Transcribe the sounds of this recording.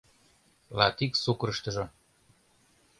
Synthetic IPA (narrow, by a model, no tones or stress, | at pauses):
lɑt̪iksukɾəʃt̪ɤ̆ʒɤ̆